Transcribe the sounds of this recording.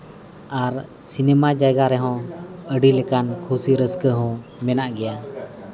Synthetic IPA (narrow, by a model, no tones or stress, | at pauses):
aɾsinɛmad͡ʒajɡaɾɛɦɔ̃əɖilɛkankʰusiɾəskəɦɔ̃mɛnaʔɡɛja